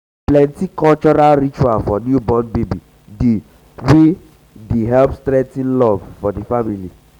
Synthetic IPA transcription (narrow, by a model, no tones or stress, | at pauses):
plɛ̃ntikɔlt͡ʃɔɹalɹit͡ʃualfɔnjubɔ̃nbebi | de | we | deɦɛlpstɾɛtĩnlɔv̥fɔdifamili